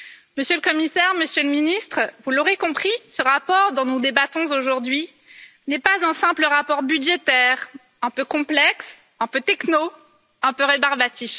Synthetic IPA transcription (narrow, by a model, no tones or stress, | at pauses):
məsjølkɔmisɛʁməsjøləminist̪χvuloʁekɔ̃pχisəʁapɔʁd̪ɔ̃nud̪ebat̪ɔ̃zoʒuʁd̪ɥi | nɛpazɛ̃sɛ̃pləʁapɔʁbyd̪ʒet̪ɛʁ | ɛ̃pøkɔ̃plɛks | ɛ̃pøt̪ɛkno | ɛ̃pøʁebaʁbat̪if